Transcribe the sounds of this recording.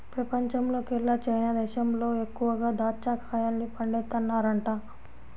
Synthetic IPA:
pɾɐpɐɲt͡ʃɐmlo̞ːkɛɭːɐt͡ʃɐjnaːd̪ɛːʃɐmlo̞ːekːuʋɐɡaːd̪aːt͡ʃaːkʰaːjaːnnipɐɳɖet̪ːɐnːaːɾɐɳʈa

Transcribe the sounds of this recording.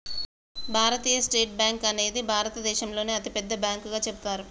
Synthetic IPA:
bʱaːɾɐt̪iːjɐsʈeːʈ̚bjaːŋkɐne̞ːd̪ibʱaːɾɐt̪ɐd̪ɛːʃɐmlo̞ːneːɐt̪ipɛd̪ːɐbjaːŋkuɡaːt͡ʃebut̪aːɾu

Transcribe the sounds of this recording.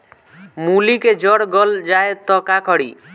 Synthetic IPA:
muliked͡ʒɔɽɡɔld͡ʒaet̪ɔkakʰɔɽḭ

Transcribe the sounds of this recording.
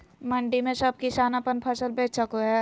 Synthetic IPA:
mə̃ɳɖimẽsɐb̚kiʃaːnapənpʰəsəlbeːt͡ʃt͡ʃɐkoɦɛ

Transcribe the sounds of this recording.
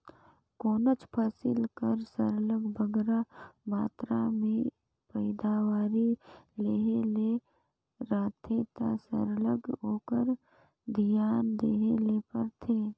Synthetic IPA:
koːnət͡ʃpʰaːsɪlkəɾsəɾləɡbʱəɡɾamaːt̪ɾamẽ | pəɪd̪aːwaːɾileːɦele | ɾaːt̪ʰet̪a̰sə̰ɾləɡoːkəɾ | d̪ʱɪjaːnd̪eːɦelepəɾt̪ʰeː

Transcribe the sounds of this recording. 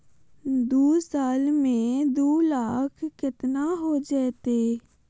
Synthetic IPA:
d̪uːsaːlmẽːd̪uːlaːkʰkɪt̪naːɦoːd͡ʒɛːt̪eː

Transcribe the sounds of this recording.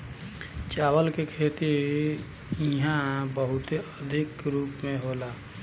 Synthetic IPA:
t͡ʃaːwəlkekʰet̪i | ɪɦãbəɦʊt̪eəd̪ʱɪkɾuːpmẽɦoːlaː

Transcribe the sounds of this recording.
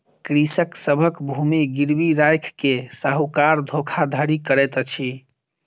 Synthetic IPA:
kɾisəksəbʱəkbʱumiɡiɾbiɾajkʰkesaɦukaɾd̪ʱokʰad̪ʱəɾikəɾɛt̪ət͡ʃʰi

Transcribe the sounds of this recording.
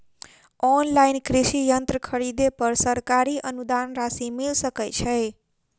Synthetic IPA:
ɔnlajnkɾisijənt̪ɾəkʰəɾid̪epəɾsəɾkaɾiʔənud̪anɾasimilsəkəjt͡ʃʰəj

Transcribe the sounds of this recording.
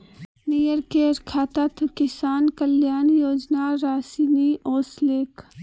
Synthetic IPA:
nijəɾkeːɾkʰaːt̪at̪ʰukɪsaːnkəljaːnjoːd͡ʒnaɾaːsiːniʔoːsleːk

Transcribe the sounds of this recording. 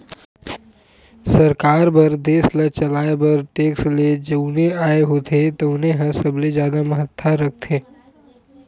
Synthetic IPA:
sɐɾkaːɾbɐɾd̪eːslɐt͡ʃɐlaːebɐɾʈeːksled͡ʒɐbʊnẽaːeɦoːt̪ʰet̪oʊnẽɦəsɐblezjaːd̪amɐɦət̪ʰːaɾɐk̚ʰt̪ʰeː

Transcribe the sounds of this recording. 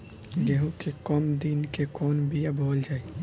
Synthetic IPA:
d̪eɦũkʰekɔmd̪inkekɔːnbijabʱoːld͡ʒaːe

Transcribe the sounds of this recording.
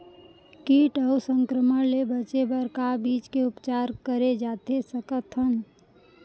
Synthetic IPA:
kiːʈəusə̃ŋkɾəməɽlebət͡ʃebəɾkabiːt͡ʃkeʊpt͡ʃaːɾkəɾed͡ʒaːt̪esəkət̪ʰən

